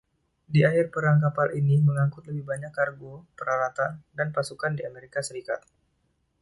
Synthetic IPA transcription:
diaɦɪrpəɾaŋkapalʔiniməŋaŋkʊt̪̚ləbɪhbaɲakːarɡopəɾalat̪andanpasukandiameɾikasəɾika̰t̪̚

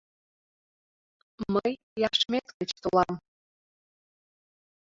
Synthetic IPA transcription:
məj | jaʂmetʰʼkɨt͡ʃʰtʰʼɨwam

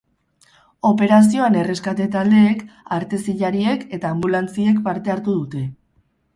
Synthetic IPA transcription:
o̞pe̞ɾas̬io̞ane̞re̞skat̪e̞t̪ald̪e̞ːkaɾt̪e̞siʎaɾie̞ke̞t̪aːmbulant͡sie̞kpaɾt̪e̞aɾt̪uð̞ut̪e̞

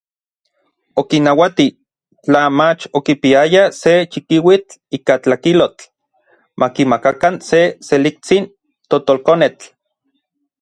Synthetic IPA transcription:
okinawat̪i | t͡ɬamat͡ʃokipiajaset͡ʃikiwit͡ɬiːkat͡ɬakilot͡ɬ | mʔakimakakanseselik̚t͡sin | t̪ot̪olkonet͡ɬ

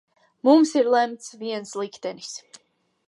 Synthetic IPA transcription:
mumsiɾlˠɛmt̪sʰviɛnslˠikʰd̪ɛnis

